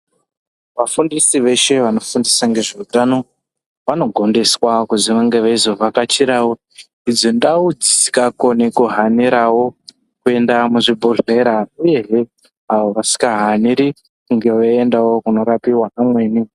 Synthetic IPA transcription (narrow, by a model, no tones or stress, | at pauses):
ʋafundisiʋe̞ʃe̞ʋano̞fundisaŋɡe̞ʐiutano̞ | ʋano̞ɡʱo̞nde̞swakuziʋaŋɡe̞ʋaizoʋakat͡ʃiɾawo | id͡zondaud͡zisi̥kako̞nekuɦaniɾawo̞ | kue̞ndamuʐibʱuɮe̞ɾauje̞ɦe | aʋoʋasi̥kaɦaniɾi | kuŋɡe̞weendawo̞kuno̞ɾapiwanamwe̞ːni